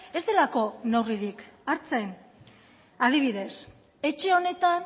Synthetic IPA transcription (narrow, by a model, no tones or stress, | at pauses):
e̞zd̪e̞lako̞nawriɾikaɾt͡se̞n | aðiβ̞iðe̞s | e̞t͡ʃe̞o̞ne̞t̪an